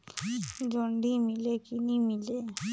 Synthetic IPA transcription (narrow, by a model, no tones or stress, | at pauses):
d͡ʒɔɳɖimilekinimile